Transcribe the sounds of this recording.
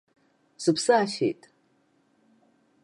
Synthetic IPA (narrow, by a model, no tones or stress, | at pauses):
sɨpʰsɨaʃḛjtʼ